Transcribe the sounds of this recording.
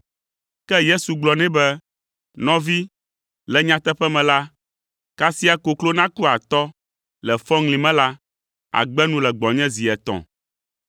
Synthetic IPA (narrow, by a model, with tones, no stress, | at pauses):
kɛ˦je˦su˨ɡ͡blɔ˨nɛ̃˦bɛ˦ | nɔ̃˦vi˦ | lɛ˨ɲã˦t̪ɛ˦ɸɛ˦mɛ̃˨la˦ | ka˦si˦a˨ko˨klo˦nã˦ku˦a˨t̪ɔ˦ | lɛ˨fɔ˦ŋlĩ˨mɛ̃˦la˦ | a̰˨ɡ͡bɛ˦nũ˦lɛ˨ɡ͡bɔ̃˨ɲɛ̃˦zi˨ɛ˨t̪ɔ̰̃˨